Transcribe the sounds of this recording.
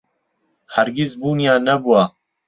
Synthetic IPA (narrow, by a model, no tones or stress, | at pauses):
hɐɾɡizbuːnjaːnɐbua